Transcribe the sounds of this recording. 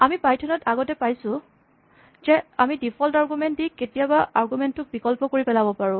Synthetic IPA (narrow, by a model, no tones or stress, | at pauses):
amipajtʰɔnɔtʰaɡɔtɛpajsʊ̃ | zɛamidipʰɔltaɹɡumɛnt̚dikːetijabaaɹɡumɛntːʊk̚bikɔlpɔkoɹipɛlabɔpaɹʊ̃